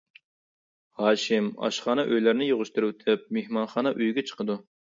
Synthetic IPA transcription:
hɑːʃɪmɑ̰ʃχɑːnɑʔøjlæɾnɪjoʁʊʃt̪uɾut̪ʰɪp̚mehmɑnχɑːnɑʔyjɡʲɛt͡ʃʰə̥qəd̪u

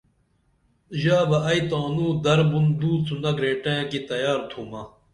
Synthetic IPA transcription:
ʑaːbɐʔɐjt̪aːnuːd̪ɐɾbund̪uːt͡sunɐɡɾeːʈẽːkit̪ɐjaːɾt̪ʰuːmɐ

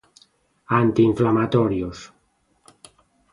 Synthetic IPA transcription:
ant̪iːɱflamat̪oɾjos

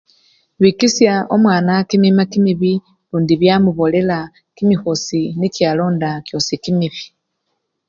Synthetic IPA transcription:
βiːkisjao̞mwaːnakimimakimiβi | luːndiβjaːmuβo̞le̞la | kimixosinikjaːlo̞ːndakjo̞sikimiβi̥

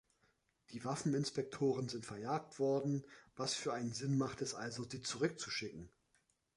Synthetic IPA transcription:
d̥iːvafn̩ɪnspɛk̚tʰoːʁənzɪntfɛɐjaːk̚tv̥ɔɐdn̩vasfyːɐʔaɪnənzɪnmaχtɛsʔalzoziːt͡suʁ̞ʏk̚t͡suʃɪkŋ̩

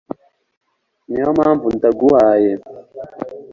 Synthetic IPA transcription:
niomaːɱvuntaɡuwaːje

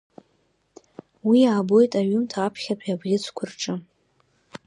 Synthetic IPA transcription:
wiaːbo̞jtʼaɥʊmtʰaapʰχʲapʼabʁʲɪt͡sʰkʷʰʊrʈ͡ʂʼɨ

